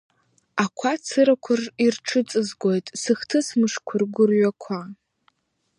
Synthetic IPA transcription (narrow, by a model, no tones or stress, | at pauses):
akʷʰat͡sʰɨɾakʷʰʊrirʈ͡ʂʰɨt͡sʼɨzɡʷo̞jtʼsɨχtʰɨsmɨʂkʷʰʊrɡʷʊrɥakʷʰa